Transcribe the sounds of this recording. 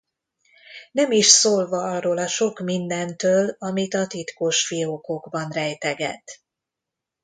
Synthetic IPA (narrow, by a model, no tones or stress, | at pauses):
nɛmiʃsoːlvɒɒrːoːlɒʃo̞kmind̪ɛnt̪øːlɒmit̪ɒt̪it̪koːʃfiokoɡbɒnrɛjt̪ɛɡɛ̰t̪